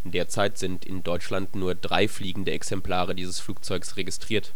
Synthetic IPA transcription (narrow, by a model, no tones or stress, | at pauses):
d̥eːɐt͡saɪtz̥ɪntɪ̰ndɔʏt͡ʃlantnuːɐdʁaɪfliːɡŋ̩dəɛksɛmpl̥aːʁədiːzəsfluːk̚t͡sɔʏksʁeɡɪstʁ̥iːɐt